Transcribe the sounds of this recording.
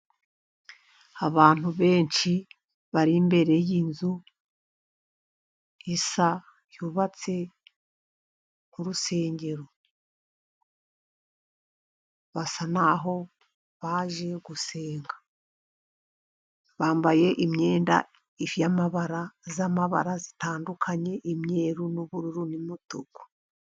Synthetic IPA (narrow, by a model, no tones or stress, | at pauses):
aβaːn̥huβe̞ːɲʃi | βaɾimbe̞ɾe̞jinzu | isa | juβat͡se̞ | ŋ̥uɾuse̞ːɲɟe̞ɾo̞ | βasanaɦo̞ | βaʒe̞ɡuse̞ːŋɡḁ | βaːmbaje̞ʔimɲe̞ːnda̰ | ifijamaβaɾazamaβa̰ɾazitaːndukʰaɲe̞ʔimɲe̞ːɾunuβuɾuɾunimutuɡu̥